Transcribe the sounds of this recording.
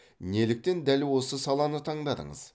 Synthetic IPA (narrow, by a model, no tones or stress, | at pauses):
ne̞lɪk̚t̪e̞nd̪ælwo̞səsɑlˠɑnət̪ʰɑɴd̪ɑd̪ə̰ɴə̰z̥